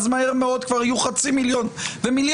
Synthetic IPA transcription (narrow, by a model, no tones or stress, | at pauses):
zmahe̞ʁmeo̞d̪kvaʁajuχat͡similjo̞nvemilj